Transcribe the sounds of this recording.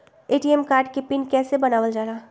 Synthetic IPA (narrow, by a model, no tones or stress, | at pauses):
eːʈiːɛmkaːɾɖkepɪnkɛːsebɐnaːʋəld͡ʒaːɾaː